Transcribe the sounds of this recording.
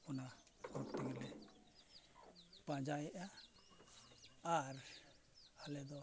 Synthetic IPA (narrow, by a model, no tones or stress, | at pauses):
una | kɔkt̪ɛŋlɛ | pãd͡ʒajɛʔa | ɾ | alɛd̪ɔ